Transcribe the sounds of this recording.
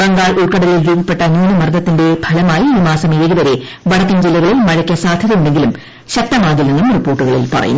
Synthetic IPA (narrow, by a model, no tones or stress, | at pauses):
rɐŋɡaːɭuɭkɐɽɐɾijilɾuːbʱɐpːe̞ʈːɐːnuːnɐmɐrd̪ʱɐt̪ːinde̞bʱɐlɐmaːjiiːmaːsɐmiɾɐɣiʋɐɾe̞ | ʋɐɽɐkːɐmd͡ʑilːɐɣɐɭilmɐɻɐkʲːɐsaːd̪ʱɐðɐmundeŋɡilum | ɕɐk̚t̪ɐmaːɣilːenːumripːo̞ːrʈːuɣɐɭḭlpɐ̰rɐ̰jṵː